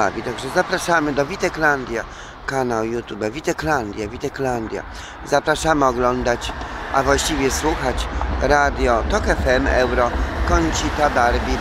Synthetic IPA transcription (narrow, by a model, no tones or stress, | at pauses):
avʲit̪aɡʐɛzapɾaʂamɘd̪ɔvʲit̪ɛkland̪ʲja | kanawjut̪ʲubavʲit̪ɛkland̪ʲjavʲit̪ɛkland̪ʲja̰ | zapɾaʂamɘɔɡlɔnd̪at͡ɕʔavwaɕt͡ɕivʲjɛswuxat͡ɕɾad̪ʲjɔt̪ɔkɛfɛmɛ̰wɾɔkɔɲt͡ɕit̪abaɾbʲi